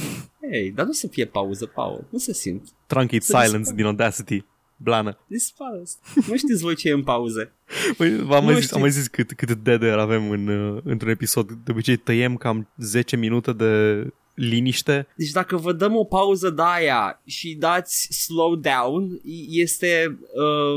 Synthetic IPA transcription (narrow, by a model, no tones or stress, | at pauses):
ejd̪anusəfije̞pauzəpa̰w̰nusesḭmt̪ | t̪ɾãŋkit̪sajlənsd̪inod̪æsit̪i | blanəd̪isfasnuʃt̪itsʲvo̞jt͡ʃeɨmpauze̞ | vəjvamajziamajzitskɨt̪kɨt̪d̪ed̪eɾave̞mɨnɨnt̪ɾune̞piso̞d̪d̪eo̞bit͡ʃe̞jt̪əje̞mkamze̞t͡ʃe̞minut̪e̞d̪e̞ | liniʃt̪e̞d̪e̞t͡ʃd̪akəvəd̪əmo̞pauzəd̪aja̰ʃid̪at̪sʲslowd̪awnje̞st̪e̞ə